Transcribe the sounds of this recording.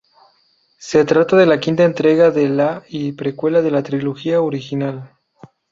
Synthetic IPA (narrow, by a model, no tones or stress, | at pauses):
se̞t̪ɾat̪aðe̞lakint̪aent̪ɾe̞ɣaðelaipɾekwe̞laðe̞lat̪ɾiloxiaoɾixinal